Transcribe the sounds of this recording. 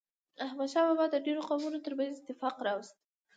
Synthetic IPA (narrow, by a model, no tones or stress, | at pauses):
ahmad̪ʃawabɑd̪əɖeɾoqɑmunot̪əɾbazɪt̪ɪfɑqɾɑwst̪̚